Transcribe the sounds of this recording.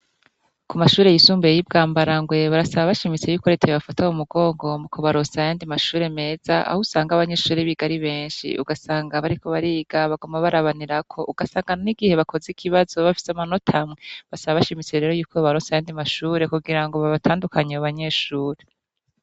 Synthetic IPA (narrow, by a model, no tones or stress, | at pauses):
kumaʃuːɾe̞jisuːmbejib̚ɡaːmbaɾaŋɡwe̞βaɾasaβaβaʃimit͡se̞juːkoɾetʰejoβafataumuɡo̞ːŋɡo̞mukʰoβaɾo̞sajaːndimaʃuːɾe̞me̞ːz̥aʔa̰husaːŋɡaβaɲe̞ːʃuːɾeβiɡaɾiβe̞ːnʃḭʔṵɡasaːŋɡaβaɾiko̞βaɾiːɡaβaɡo̞maβaɾaβaniɾakʰo̞ʔuɡ̥asaːŋɡaniɡihe̞βakʰo̞zikʰiβazo̞βafi̥samano̞tʰamŋeβasaβaβaʃimit͡se̞ɾe̞ːɾo̞juːkʰo̞βaɾosajaːndimaʃuːɾe̞kuɡiɾaŋɡo̞βaβatʰaːndukaɲeaβaɲe̞ʃuːɾe̞